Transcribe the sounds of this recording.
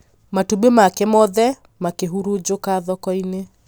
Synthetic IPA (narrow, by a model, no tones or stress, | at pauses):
matubemakɛmɔðɛ | makeɦuɾud͡ʒokaðɔkɔine